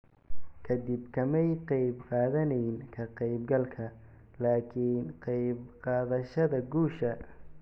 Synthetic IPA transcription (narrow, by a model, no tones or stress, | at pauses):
kʰɐd̪ɪbkʰɐmɛjqɑjbqɑːðɐnɛjnkʰɐqɑjbɡɐlkʰɐ | laːkʰiːnqɑjbqɑːðɐʃɐðɐɡuːʃɐ